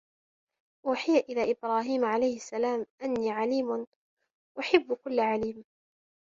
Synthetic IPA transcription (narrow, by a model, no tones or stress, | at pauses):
ʔuːħɪjaʔɪlaːʔɪbɾˤɑːɦiːmʕalajhɪsːalaːmʔanːiːʕaliːmʊn | ʔaħɪbːkʊlːʕaliːm